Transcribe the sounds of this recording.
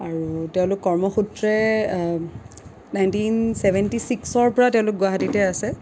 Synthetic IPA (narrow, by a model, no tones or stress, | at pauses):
aɹutɛʊ̃lʊkːɔɹmɔxutɹɛ | najntinsebʱɛntisiksɔɹpɔɹatɛʊ̃lʊk̚ɡʊaɦatitɛasɛ